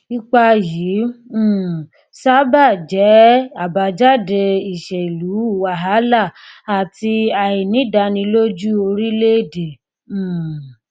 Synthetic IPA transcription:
i˧k͡pa˧jĩ˨˦˨ | sa˦ba˦˨d͡ʒɛ˨˦a˨ba˧d͡ʒa˦de˧i˨ʃɛ˨i˨lu˨˦˨wa˨˦ɦa˨˦la˦˨a˨ti˧a˨i˨nĩ˨˦da˧nĩ˧lo˦d͡ʒu˦o˧ɾi˦le˦˨dẽ˨˦˨

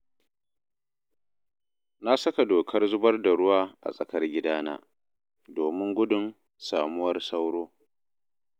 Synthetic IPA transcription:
na˦sɐ˦ka˨doː˨kʰɐ˦rzʊ˦bɐ˦rda˨ɽʊ˦waː˦ʔa̰˨sʼɐ˨kɐ˦rɡʲɪ˦daː˦na̰ː˦ | doː˨mɪ˦ŋɡʷʊ˦dʊ˨n | saː˨mʊ˦wɐ˦rsa˦wɽoː˦

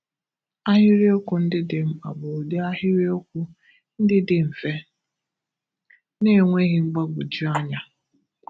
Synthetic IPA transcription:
a˦ɦɪ˦ɾi˦o˦kʊ˨n̩˦dɪ˦dɪ˨m̩˦a̰˨ɡ͡bʊ˨o˨de˦a˦ɦɪ˦ɾi˦o˦kʷʊ˦ | n̩˦dɪ˦dɪ˨m̩˨fe˦ | ne˦e˨ŋʷe˦ɣɪ˦ŋ͡m̩˦ɡ͡ba˦ɡ͡bʊ˨d͡ʒu˦a˦ɲa˦

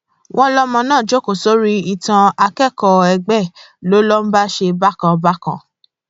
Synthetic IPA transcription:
w̃ʔɔ̃˦lɔ˦mɔ̃˧nãː˦˨d͡ʒo˦ko˨so˦ɾi˦i˦˨tã˧a˧kɛ˦˨kɔ˧ɛ˧ɡ͡bɛ˦˨ | lo˨˦lɔ˦m̩˦ba˦ʃe˧ba˦kã˧ba˦kã̰˧˨

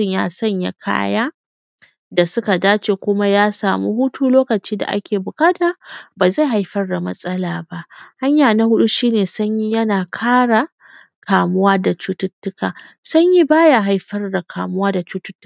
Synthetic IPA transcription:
ɪ˦ɲja̰ː˦sɐ˦˨ɲja̰˨kʰa̰ː˦jaː˦ | da˨sʊ˦ka˨daː˦t͡ʃeː˨kʷʊ˦ma˦jaː˦saː˨mṵ˦hʊ˦tuː˦loː˦kɐ˨t͡ʃiː˦da̰˨ʔa̰˦kʲʰeː˨bʊ˨kʼaː˦taː˨baː˨za˦˨jɦa˨˦jɸɐ˦rda˨mɐ˦sʼɐ˦laː˨ba˦ʔha˦ɲjaː˨na˦hʊ˦ɗu˦ʃiː˦neː˨sɐ˦ɲji˦jɐ˦naː˨kʰaː˦ɽa˨ | kʰaː˨mʊ˦waː˦da˨t͡ʃu˦tʊ˦tːʊ˦kaː˨sɐ˦ɲji˦baː˦ja˨ɦa˨jɸɐ˦rda˨kʰa̰ː˨mʊ˦waː˦da˨t͡ʃuː˦tʊ˦tː

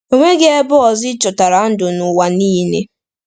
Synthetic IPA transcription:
o˦ŋʷe˦ɡɪ˦e˦bʊ˦ɔ˨zɪ˦t͡ʃʊ˨ta˨ɾa˨n̩˦dʊ˨nʊ˨wa˨niː˦nḛ˦

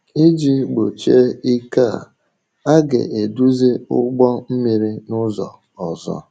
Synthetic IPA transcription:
i˦d͡ʒi˦ɡ͡bo˨t͡ʃe˦i˦ka˦˨ | a˦ɡḛ˨e˨du˦ze˦ʊ̰˦ɡ͡bɔ˦m̩˦mi˨ɾi˦nʊ˦zɔ̰˨ | ɔ˨zɔ̰˦

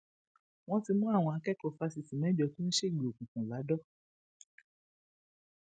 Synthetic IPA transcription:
w̃ɔ̃˦ti˧mũ˦a˦˨w̃ɔ̃˧a˧kɛ˦kɔ˧˨fa˧si˧˨sĩ˨mɛ̃˨˦d͡ʒɔ˨˧kũ˦n̩˦ʃe˦˨ɡ͡be˨o˨kũ˨kũ˨la˨˦dɔ˦

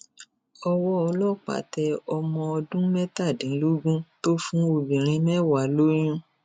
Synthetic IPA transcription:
ɔ˧wɔ˦ɔ˧lɔ˦˨k͡pa̰˨˦tɛ˧ɔ˧mɔ̃˧ɔ˧dũ˦mɛ˦ta˦˨dĩ˨˦lu˦ɡũ˦to˦fũ˦o˧bĩ˨ɾ̃ĩ˧mɛ˦wa˨lo˦j̃ũ˦

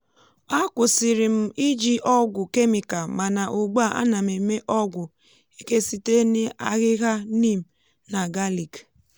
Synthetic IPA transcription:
a˦kʷʊ˨sɪ˨ɾɪ˨m̩˦i˦d͡ʒi˦ʔɔ˦ɡʷʊ˨ke˦mi˨ka˨ma˨na˨ʔʊ˨ɡ͡ba˦˨ʔa̰˦na˨me˨me˦ʔɔ˦ɡʷʊ˨ | i˦ke˦si˦te˦nɪ˦a˦ɣɪ˦ɣa˦ni˦˨m̩˨ | na˨ɡa˦li˨k

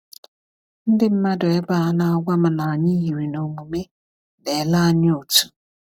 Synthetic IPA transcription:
n̩˦dɪ˦m̩˦ma˦dʊ˨e˦ba˦˨a˨na˦a˦ɡʷa˦m̩˦na˨ɲi˦ɦi˨ɾi˨no˨mu˨me˦ | ne˨la˦a˦ɲ˦o˨tu̥˨

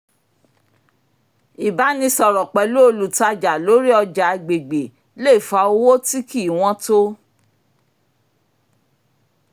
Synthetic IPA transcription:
i˨ba˨˦nĩ˧sɔ˨ɾɔ˨k͡pɛ˨lu˦o˧lu˨ta˧d͡ʒa˨lo˨˦ɾi˦ɔ˧d͡ʒa˨˧ɡ͡be˨ɡ͡be˨ | le˦˨fa˧o˧˦wo˦ti˦ki˦˨w̃ɔ̃˦to˦

